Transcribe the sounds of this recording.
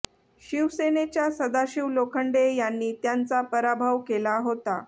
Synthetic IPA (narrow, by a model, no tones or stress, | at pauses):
ɕiʋsenet͡ɕjasəd̪aɕiʋlokʰəɳɖejanːiːt̪jant͡sapəɾabʱaʋkelaɦot̪a